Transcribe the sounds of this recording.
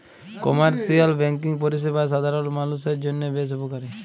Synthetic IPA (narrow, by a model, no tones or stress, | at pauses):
kɔmaɾsialbɛŋkiŋp̬ɔɾis̬ebas̬ad̪ʱaɾɔlmanus̬eɾd͡ʒonːebes̬upokaɾe